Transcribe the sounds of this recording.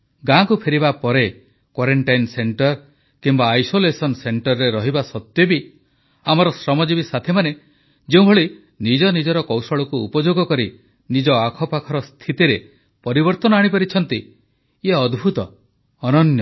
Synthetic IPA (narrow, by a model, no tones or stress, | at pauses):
ɡãkupʰeɾibapɔɾe | kwaɾeɳʈajnseɳʈɔɾ | kimbaːjsolesɔnseɳʈɔɾːeɾɔɦibasɔt̪jɔbi | amɔɾɔsɾɔmɔd͡ʒibisat̪ʰemane | d͡ʒeũbʱɔɭi | nid͡ʒɔnid͡ʒɔɾɔkɔwsɔɭɔkuupɔd͡ʒoɡɔkɔɾi | nid͡ʒɔakʰɔpakʰɔɾɔst̪ʰit̪iɾe | pɔɾibɔɾt̪ɔnɔaɽ̃ipɔɾit͡ʃʰɔnt̪i | eɔd̪bʱut̪ɔː | nɔnjɔ